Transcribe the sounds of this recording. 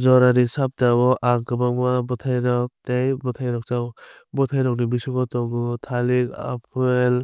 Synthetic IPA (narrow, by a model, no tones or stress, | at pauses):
zɔɾaɾisap̚tabɔʔaŋkɯbaŋmabɔtʰajɾɔk̚tejbɔtʰajɾɔk̚taw | bɔtʰajɾɔk̚nibisukɔtɔŋutʰalika̰pʰɯel